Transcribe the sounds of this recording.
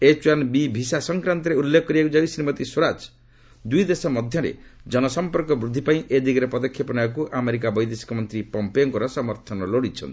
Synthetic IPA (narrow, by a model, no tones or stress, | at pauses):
et͡ʃuwanbibʱisasɔŋkɾant̪ɔɾeulːekʰɔkːɔɾibakud͡ʒawsɾimɔt̪isoɾat͡ʃ | d̪ujd̪esɔmɔd̪ʱjɔɾḛd͡ʒɔnɔsɔmpɔɾkɔbɾud̪ʱːipaĩʔed̪ikɾepɔd̪ɔkʰːjɔpɔnaakuʔameɾik̬abɔjd̪esi̥kɔmɔnt̪ɾipɔmpeoŋkɔɾɔsɔmɔɾt̪ʰɔnɔloɽit͡ʃʰɔ̰nt̪i̥